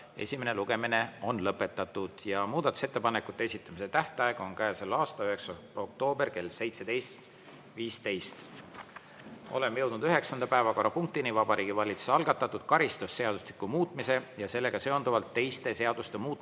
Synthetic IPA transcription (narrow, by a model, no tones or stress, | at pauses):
e̞̰sʲimene̞luɡ̥e̞mine̞o̞nlɤpːˑe̞t̪ːˑɑt̪ːˑud̪̥jɑmuːd̪̥ɑt̪ːˑu̥se̞t̪ːe̞pɑnekːˑut̪ːeesit̪ˑːɑmise̞t̪æht̪ɑeɡ̥o̞nkæeselɑːst̪ɑyɦe̞ksɑ | o̞k̚t̪o̞ːberke̞lse̞jt̪se̞d̪̥e̞jst̪ | viːst̪e̞jst̪ | o̞̰le̞mːjɤ̞wd̪nud̪yɦe̞ksɑnd̪̥ɑpæevɑko̞rːɑpuŋk̚t̪inivɑbɑɾʔiːɡ̥ivɑlʲit̪su̥sɑlɡ̥ɑt̪ːˑɑt̪ːˑud̪̥̚kɑɾist̪usːe̞ɑd̪uslikːumuːt̪ˑmise̞jɑse̞lːe̞ɡ̥ɑse̞ond̪uvɑlt̪ːe̞jst̪e̞se̞ɑd̪̥ust̪e̞muːt̪̚ˑ